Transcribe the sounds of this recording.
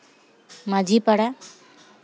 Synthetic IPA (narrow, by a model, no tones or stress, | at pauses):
mad͡ʒipaɽa